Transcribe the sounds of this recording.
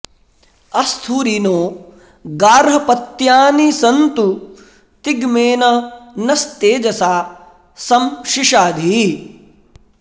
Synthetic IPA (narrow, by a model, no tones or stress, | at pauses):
ɐst̪ʰuːɾinoː | ɡaːɾɦɐpɐt̪jaːnisɐnt̪u | t̪iɡmeːnɐnɐst̪eːd͡ʒɐsaː | sɐmʃiʃaːd̪ʱi